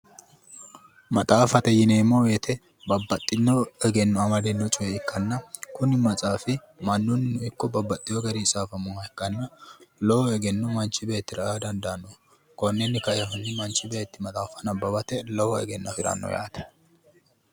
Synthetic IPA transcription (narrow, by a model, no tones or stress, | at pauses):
mɐt̪ʼaːfɐt̪ɛjɪneːmɔwet̪ʰɛ | bɐbːɐt̪ʼːɪnːɔɛɡɛnːɔɐmɐd̪ɛnːɔt͡ʃʼʊjɛɪkːɐnːɐkʊnɪmɐt͡sʼaːfɪ | mɐnːʊnːɪnʊɪkːɔbɐbːɐt̪ʼːɪjɔɡɐɾisʼaːfɐmɔhɐɛkːɐnːɐlɔwɔɛɡɛnːɔmɐnt͡ʃːɪbeːt̪ːɪɾɐad̪ɐnd̪ɐɐnːɔ | kɔnːɛnːɪkɐjɐɦʊnːɪmɐnt͡ʃʼːɪbeːt̪ːɪmɐt̪ʼaːfɐnɐbːɐbɐt̪ɛlɔwɔɛ̰ɡɛnːɐfɪɾɐ̰nːɔ̰ja̰ːt̪ɛ̥